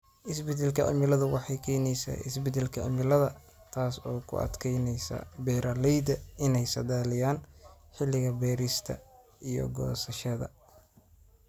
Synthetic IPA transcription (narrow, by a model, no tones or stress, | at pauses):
ʔɪsbɛd̪ɛlkʰɐʔʊ̰mɪlɐðʊwɑħɑjkʰɛːnɛjsa̰ːʔɪ̰sbɛd̪ɛlkʰɐʔʊ̰mɪlɐðɐ | t̪ʰaːsɔːkʰʊ̰ʔɐ̰d̪kʰɛjnɛjsɐ̰bɛːɾʔɐlɛjd̪ɐɪnɛjsɐd̪aːlɪjaːn | ħɪlɪɣɐbɛːɾɪst̪ʰɐ̰ | ijɔ̰ɡɔ̰ːsɐʃɐðɐ̰